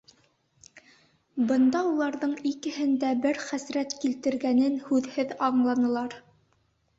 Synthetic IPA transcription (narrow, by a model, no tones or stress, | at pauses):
bɤ̆nd̪ɑulˠɑɾðɤɴikɘ̆hɘ̆nd̪æbɘɾχæsɾæt̪kilt̪ɘ̆ɾɡænɘnhʉðhɘðɑɴlˠɑnɤ̆lˠɑɾ